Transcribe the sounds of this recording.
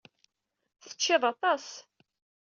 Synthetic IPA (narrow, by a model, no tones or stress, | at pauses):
θə̥t͡ʃːɪðˤɑt̪ˤɑs